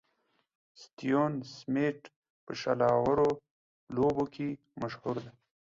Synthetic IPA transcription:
st̪ijonsmeʈ | pəʃalɑːwaɾo | loboke | maʃhuɾd̪e

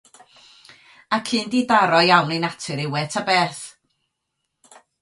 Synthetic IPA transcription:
akʰɨːndidaɾɔjawnejnatʰɨɾɪwɛtʰabeːθ

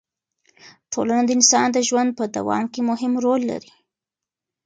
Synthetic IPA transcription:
ʈʰolanad̪əɪnsɑnd̪əʒwand̪̚pəd̪a̰wɑ̰mkemʊɦɪmɾolːa̰ɾi

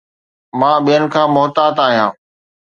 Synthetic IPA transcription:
mãːɓijənɪ̆kʰãːmʊɦt̪aːt̪aːɦijãː

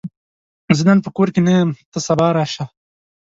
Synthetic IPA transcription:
zəd̪anpəkoːɾkenajmt̪əsabɑːɾaːʃa

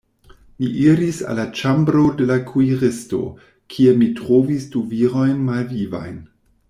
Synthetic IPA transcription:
miʔiɾisa̰lːat͡ʃambɾo̞de̞lakʰuiʁesto̞̰ | kʰiemitɾovisduviɾojnmalviva̰jn

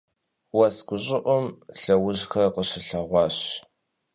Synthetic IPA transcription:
wɐsɡʷʊɕʼɪʔʷʊmɬɐwʊʑxɐrqəɕɪɬɐʁʷɑːɕ

